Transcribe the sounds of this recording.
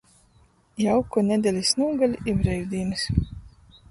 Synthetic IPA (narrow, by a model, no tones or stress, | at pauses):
jawkunʲɛd̪ʲɛlʲisnuːɡalʲibɾɛjd̪ʲiːnɨs